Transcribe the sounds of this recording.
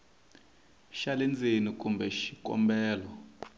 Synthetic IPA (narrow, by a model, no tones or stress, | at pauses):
ʃalɛnd͡zʱenik̬ʼumbʱɛʃikʼɔ̰mbɛːlɔ